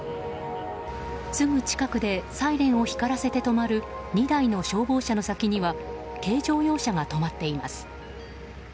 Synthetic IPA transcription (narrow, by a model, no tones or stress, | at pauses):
sɨmɯ̟t͡ɕi̥kakɯ̟d̪e̞saiɾẽ̞ɰ̃o̞çi̥kaɾase̞t̪e̞t̪o̞maɾɯ̟ɲ̟id̪aino̞ɕo̞ːbo̞ːɕano̞sakʲiɲ̟iβa | ke̞ːʑo̞ːjo̞ːɕaɡat̪o̞mat̪ːe̞ima̰sɨ̥